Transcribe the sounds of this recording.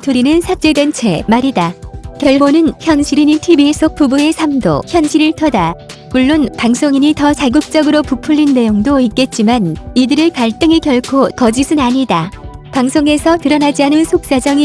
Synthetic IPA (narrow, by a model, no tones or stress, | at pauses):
tʰoɾinɯnsʰat͡ɕ͈edwent͡ɕʰe̞maɾidakjʌɭkʰonɯnçjʌnɕʰiɾiɲitʰibisʰok̚p͈ubue̞sʰamdo̰çjʌnɕʰiɾiɭtʰʌdamuɭːonpaŋsʰoŋiɲitʌt͡ɕaɡuk̚t͡ɕ͈ʌɡɯɾopupʰuʎːinːe̞joŋdoik̚k͈e̞t̚t͡ɕ͈imanidɯɾɯpaɭt͈ɯŋikjʌɭkʰokʌd͡ʑisʰɯnaɲidapaŋsʰoŋe̞sʰʌtɯɾʌnad͡ʑianɯnsʰok̚s͈ad͡ʑʌŋi